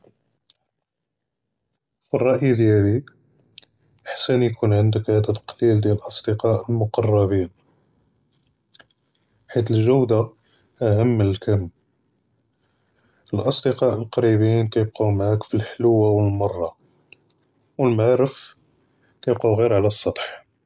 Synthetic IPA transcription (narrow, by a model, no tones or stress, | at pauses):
firˤːɑʔjid̪jælik | ħsænikunʕənd̪əkʕæd̪æt̪qlild̪jæləlʔɑsˤd̪əqɑʔəlmʊqɑrˤːɑbin | ħit̪̬əlʒəwd̪a | ʔæɦəmːnəlkʰənm | əlʔɑsˤd̪əqɑʔəlqɑɾibinkæjəb̚qawmʕakfilħlwːawəlmɑrˤːɑ | wəlmaʕɾəf | kæjbquwɣiɾʕalæsˤːɑt̪ˤħ